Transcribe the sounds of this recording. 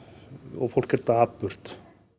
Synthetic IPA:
ɔ̰ɣfowl̥kɛɾt̪aːpːʏr̥t̪

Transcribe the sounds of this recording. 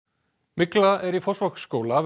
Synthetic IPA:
mɪklaɛɾifɔsvakskoːwla

